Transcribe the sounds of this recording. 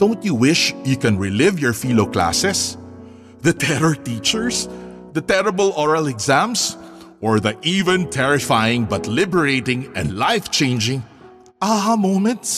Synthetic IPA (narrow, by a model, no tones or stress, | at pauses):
d̪̥õʊ̃nt̪juwɪʃjukɛ̃nɹɪlɪvjɔɹfilokla̰sɛs | ðɐt̪ʰɛɾɔɹt̪iːt͡ʃəɹs | d̪ɐt̪ɛɹɐbəlʔɔɹɐlɛɡzæ̃ms | ʔɔɹðɐʔivɛ̃nt̪ʰɛɹɪfajɪ̃ŋbɐt̪lɪbəɹeɪtɪ̃ŋɛ̰̃nd̪laɪft͡ʃẽɪ̃nd͡ʒɪ̃ŋ | ʔaamõʊ̃mɛ̃nt̪s